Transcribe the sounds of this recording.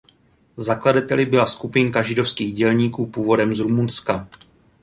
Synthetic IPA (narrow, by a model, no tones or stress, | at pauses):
zakladat̪ɛlɪbɪlaskupɪŋkaʒɪdo̞fskiːɣɟɛlɲiːkuːpuːvo̞dɛmzɾumunska